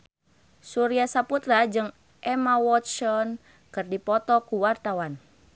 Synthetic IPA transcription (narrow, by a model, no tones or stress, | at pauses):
suɾiasaput̪ɾad͡ʒɨŋ | ʔɛmawɔt̪t͡ʃɔn | kɨrdipɔt̪ɔkuwart̪awan